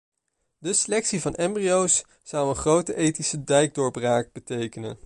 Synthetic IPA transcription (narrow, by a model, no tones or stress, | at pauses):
dəsəlɛksivɑnɛmbriowsː | ʌwənχrowtəʔejtisədɛjɡ̚dʊːɹbraːk̚b̥ətejkənə̰n